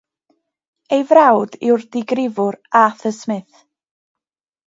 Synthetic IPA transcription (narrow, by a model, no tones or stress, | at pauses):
ejvrawdɪwrdɪɡrɪvʊɾaθəsmɨθ